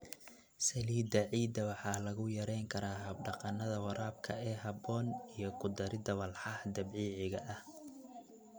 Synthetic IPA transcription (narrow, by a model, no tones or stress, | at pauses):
sɐliːd̪ɐʕiːd̪ɐwɑħɑːlɐɣʊjɐɾɛjŋkʰɐɾaːɦɐb̚ɖɑqɑnɐðɐwɐɾʔaːb̚kʰɐɛːɦɐbɔːnijɞkʰʊd̪ɐɾɪd̪ɐwɐlħɑhd̪ɐbʕiːʕɪɣɐʔɐh